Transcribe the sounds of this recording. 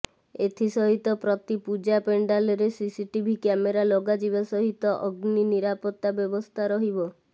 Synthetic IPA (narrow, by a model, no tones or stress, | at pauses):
et̪ʰisɔɦit̪ɔpɾɔt̪ipud͡ʒapeɳɖaleɾesisiʈibʱikɛmeɾaloɡad͡ʒibasɔɦit̪ɔʔɔɡniniɾapɔt̪ːabjɔbɔst̪ʰaɾɔɦibɔ